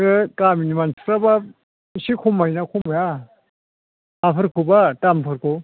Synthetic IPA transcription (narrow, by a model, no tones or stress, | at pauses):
ɯkaminimanskɾaba | sikʰumajnakʰumaja | apʰɯɾkʰubatampʰɯɾkʰo